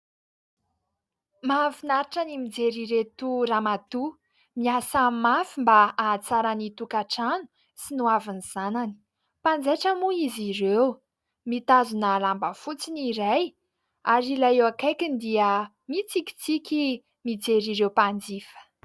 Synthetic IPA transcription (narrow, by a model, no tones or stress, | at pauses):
mafinaɾiʈ͡ʂənimid͡zeɾiɾet̪uɾamat̪u | miasamafimbaat͡saɾanit̪ukaʈ͡ʂanu̥ | sinuaviniz̥anani̥ | pand͡zeʈ͡ʂəmuizirew | mit̪azunalambəfut͡siniɾaj | aɾilaewakajkind̪iə | mit͡sikʲi̥t͡sikʲi | mid͡zeɾiɾewpand͡zifə̥